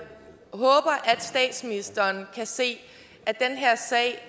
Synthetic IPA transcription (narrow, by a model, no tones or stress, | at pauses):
hɔ̽ːb̥ɐʔæd̥sd̥ɛ̰ːd̥sminisd̥ɐːnkʰæse̝̰ː | æd̥enɦeɐ̰sɛ̰ɪ̰